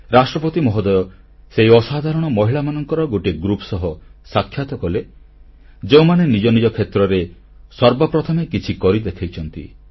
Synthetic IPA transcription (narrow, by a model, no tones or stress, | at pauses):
ɾasʈɾɔpɔt̪imɔɦɔd̪ɔjɔ | seiɔsad̪ʱaɾɔɽ̃ɔmɔɦiɭamanɔŋkɔɾɔɡoʈiɡɾupsɔɦɔsakʰːjat̪ɔkɔle | d͡ʒeũmanenid͡ʒɔnid͡ʒɔkʰet̪ɾɔɾe | sɔɾbɔpɾɔt̪ʰɔmekit͡ʃʰikɔɾid̪ekʰajt͡ʃʰɔnt̪ḭ